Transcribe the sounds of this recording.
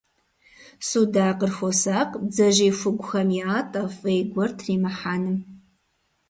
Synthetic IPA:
suːdaːqərxʷosaːqʼbd͡zɐʒiːfʷʊɡʷʊxɐmjiaːtʼɐfʼejɡʷɔrtʰriːmɐħaːnɨm

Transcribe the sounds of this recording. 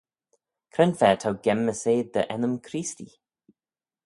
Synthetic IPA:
kʰɾɛnfɛːt̪ʰawɡɛmːəseːd̪ə̰ʔɛnəmkʰɾiːst̪ḭ

